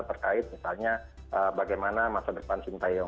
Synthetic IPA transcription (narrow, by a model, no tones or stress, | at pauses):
t̪ərkaɪt̪̚misalɲa | əbaɡajmanamasadəpansint̪ajɔ